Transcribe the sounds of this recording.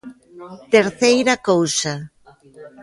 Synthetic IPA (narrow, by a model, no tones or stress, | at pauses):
t̪eɾθejɾakowsa